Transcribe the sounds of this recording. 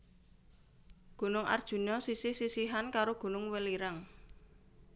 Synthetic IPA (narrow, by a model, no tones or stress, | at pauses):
ɡ̥o̤nʊŋʔa̰rd̥ʒ̥ṳnɔsisihsisiɦankaɾoɡ̥o̤nʊŋwɛliɾaŋ